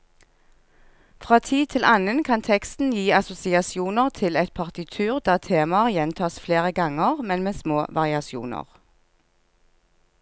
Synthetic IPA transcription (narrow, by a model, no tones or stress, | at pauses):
fʁɑːt̪ʰiːt̪ʰɪlʔɑnənkʰɑnt̪ʰɛkst̪n̩jiːɑsʊsɪɑsɪuːnəʁt̪ʰɪlɛt̪̚pʰɑʁt̪ɪt̪ʰʉːʁd̪æːʁt̪ʰeːmɑjɛnt̪ʰɑːsfleːʁəɡɑŋəʁmɛnmeːsmoːʋʔɑʁɪɑsɪṵːnə̰ʁ